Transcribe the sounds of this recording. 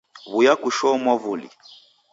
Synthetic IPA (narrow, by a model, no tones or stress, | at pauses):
βujakuʃɔmɔvulḭ